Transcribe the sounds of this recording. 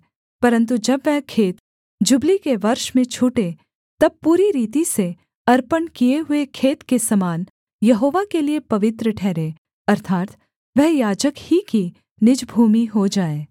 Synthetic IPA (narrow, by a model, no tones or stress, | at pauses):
pɐɾə̃nt̪̬ud͡ʒɐbʋɛɦkʰeːt̪ | d͡ʒʊblikeʋɐɾʃmẽt͡ʃʰuːʈe | t̪ɐb̚puːɾiɾiːt̪̬ise | ɐɾpənkieɦʊekʰeːt̪kesɐmaːn | jɐɦoːʋakeliepɐʋɪt̪ɾəʈʰɛːɾeː | ɐɾt̪ʰaːt̪ | ʋɛɦjaːd͡ʒəkhiki | nɪd͡ʒbʱuːmiɦod͡ʒaːeː